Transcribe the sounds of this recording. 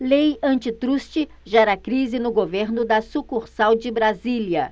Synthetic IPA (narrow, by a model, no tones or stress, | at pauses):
lejɐ̃nt͡ʃɪt̪ɾust͡ʃɪ | ʒaɛɾakɾizɪnʊɡoveɾnʊd̪ɐsukuɾsawd͡ʒɪbɾaziljɐ